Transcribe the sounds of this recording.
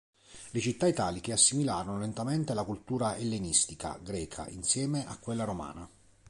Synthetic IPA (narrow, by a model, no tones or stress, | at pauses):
let͡ʃit̪ːait̪aːlik̟easːimilaːɾonolent̪ament̪elakult̪uːɾaelːenist̪ika̰ɡɾɛːkʰa̰ʔinsjɛːmeakːwelːaɾoma̰ːna